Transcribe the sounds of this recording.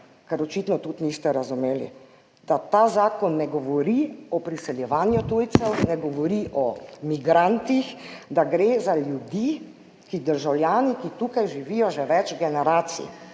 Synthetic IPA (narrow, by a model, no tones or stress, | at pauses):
kɛɾɔt͡ʃiːt̪nɔt̪ut̪nist̪ɛɾazumeːlḭ | d̪̥at̪aːzaːkɔnːɛɡɔʋɔɾiɔpɾisɛljɛʋaːnjut̪ujt̪sɛwnɛɡɔʋɔɾiʔɔmiɡɾant̪ixd̪aɡɾeːzaljud̪iː | kid̪əɾʒawljaːnikit̪ukajʒiʋijɔʒɛʋɛt͡ʃɡɛnɛɾaːt̪sḭ